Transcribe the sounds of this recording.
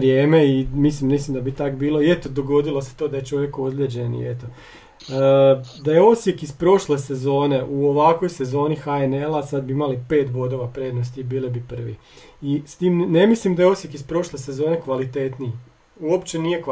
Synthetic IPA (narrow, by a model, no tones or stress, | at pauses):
ɾjeːme̞imislimnislimd̪abit̪akbiːlˠo̞iet̪od̪o̞ɡo̞d̪ilˠo̞set̪o̞ːd̪aje̞t͡ʃo̞ʋje̞kod̪lʲed͡ʑe̞nḭet̪o | d̪ajeo̞sjekizpɾo̞ʃlesezo̞ːne̞ʔuoʋakʋo̞jse̞zo̞ːnixaene̞lˠasad̪̚biimalipe̞ːt̪bo̞d̪o̞ʋapɾe̞ːd̪nost̪ibiːlibipr̩ʋi | ist̪iːmne̞mislimd̪ajo̞sje̞kispɾo̞ʃlese̞zo̞ːne̞kʋalit̪e̞t̪nii | uo̞pt͡ʃeniːje̞k